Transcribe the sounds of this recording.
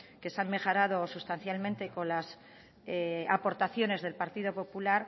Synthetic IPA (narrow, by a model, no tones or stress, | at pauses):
ke̞sanme̞xo̞ɾað̞o̞sust̪anθjalmẽnt̪e̞ko̞nlas | eapo̞ɾt̪aθjo̞ne̞zðe̞lpaɾt̪iðo̞po̞pulaɾ